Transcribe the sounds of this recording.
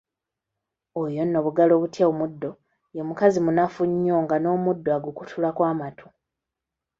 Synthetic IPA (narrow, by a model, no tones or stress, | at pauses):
ojo̞nːo̞βuɡalo̞βutjaomudːo̞ | jomukazimunafuɲːo̞ŋɡano̞ːmudːoaɡukutʰulakwaːmatʰo̥